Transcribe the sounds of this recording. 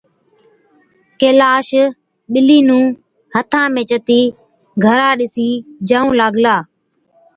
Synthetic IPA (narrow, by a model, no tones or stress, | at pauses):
keːlaːʃ | ɓɪliːnũː | hət̪ʰãːmẽːt͡ʃət̪iː | ɡʱəɾãːɗɪsiːd͡ʒəːũːlaːɡlaː